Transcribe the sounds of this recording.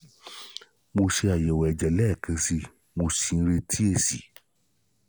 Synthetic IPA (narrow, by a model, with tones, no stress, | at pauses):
mo˧ʃe˧a˨jɛ˨wɛ˨ɛ˨d͡ʒɛ˨lɛ˦˨kʰã˨˧˦si˧ | mo˧si˧n̩˦ɾe˧tʰi˦e˦˨sḭ˨˦